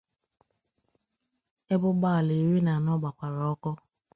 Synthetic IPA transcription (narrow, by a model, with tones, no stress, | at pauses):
e˦bʊ˦ɡ͡ba˦˨le˨ɾi˦na˨nɔ˦ɡ͡ba˨kʷa˨ɾɔ˨˦kɔ˦